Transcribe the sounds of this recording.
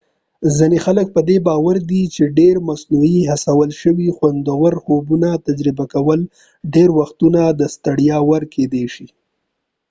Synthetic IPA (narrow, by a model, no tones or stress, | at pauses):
zɪnexalək̚pəd̪ebɑwaɾd̪it͡ʃeɖeɾmasnuiɦasawəlʃəwixwand̪awəɾxobunat̪ad͡ʒɾɪbakawəl | ɖeɾwaxt̪unad̪əst̪aɽjɑwəɾkʰed̪eʃi